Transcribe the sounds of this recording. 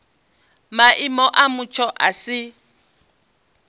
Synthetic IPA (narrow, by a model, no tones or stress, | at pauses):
maʔimɔʔamut͡ʃʰɔʔasɪ